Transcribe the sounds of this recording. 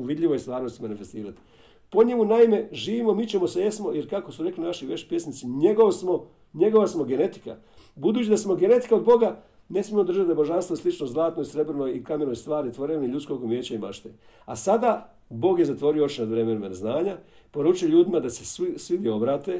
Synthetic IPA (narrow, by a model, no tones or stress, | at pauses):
uʋid̪ʎʲiʋojist̪ʋaːɾnost̪imanifest̪iːɾat̪i̥ | po̞ɲemunaime̞ʒiːʋimomit͡ɕemosejesmo̞jeɾkako̞suɾe̞klinaʃiʋe̞t͡ɕpje̞snit̪siɲeɡoʋsmo | ɲe̞ɡo̞ʋasmo̞ɡe̞ne̞t̪i̥ka̰ | bud̪uːt͡ɕid̪asmo̞ɡe̞ne̞t̪i̥kaod̪bo̞ɡa | ne̞smiemod̪ɾr̩ʒat̪d̪abo̞ʒanst̪ʋoislˠit͡ʃnozlˠaːt̪no̞isɾe̞bɾnojikame̞no̞jst̪ʋaːɾit̪ʋo̞ɾeniʎut̪sko̞ɡumjeːt͡ɕaimaʃt̪e | asad̪a | bo̞ːɡjezat̪ʋo̞ɾioot͡ʃnad̪ʋɾemenmanaznaːɲa | po̞ɾuːt͡ʃujoʎuːd̪imad̪ase̞ssʋid̪jeobɾaːt̪e